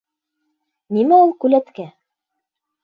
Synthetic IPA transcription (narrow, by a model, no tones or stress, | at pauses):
nimæulˠkʉlæt̪kæ